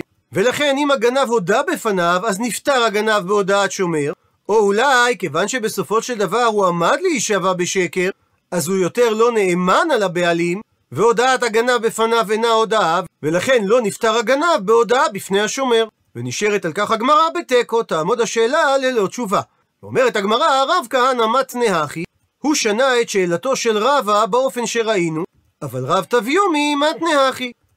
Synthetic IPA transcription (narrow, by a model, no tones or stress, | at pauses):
ve̞laχe̞nimaɡanavo̞dabe̞fanavaznift̪aʁaɡanavbeod̪aatʃo̞me̞ʁ | o̞ulajke̞vanʃe̞be̞so̞fo̞ʃe̞ld̪avaʁhuamad̪leiʃavabeʃe̞ke̞ʁ | ʔazujo̞t̪eʁlo̞ne̞emanalabe̞alim | veo̞d̪aat̪aɡanavbe̞fanavenao̞d̪aavvelaχe̞nlo̞niftaʁaɡanavbeo̞daabifne̞jhaʃo̞me̞ʁ | veniʃeʁetalkaχhaɡmaʁabe̞teko̞taːmo̞d̪haʃeːlale̞lo̞t͡ʃuva | veo̞̰meʁetaɡmaʁaʁavkahanamat̪nehaχi | huʃanae̞tʃe̞ːlato̞ʃe̞lʁavabeo̞fe̞nʃe̞ʁainu | avalʁavt̪avjomimatne̞haχi